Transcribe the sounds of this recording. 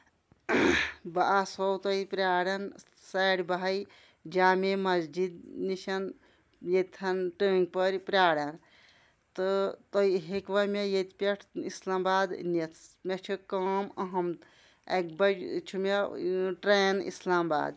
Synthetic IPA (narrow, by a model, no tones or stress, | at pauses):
baʔasowt̪ɐipɾʲaːɽɐn | saɽbaɦɐj | d͡ʒaːmemɐzd͡ʒid̪niʃɐn | jet̪ʰɐnʈəːŋɡ̚pəɾpɾaːɽɐn | t̪ɨt̪ɐiɦekʋɐmʲejet̪pʲeʈʰislaːmbaːd̪net̪ʰmʲet͡ʃʰikɐmɐɦɐm | ek̚bɐɾt͡ʃʰumeʈɾeːnḭslaːmba̰ːd̪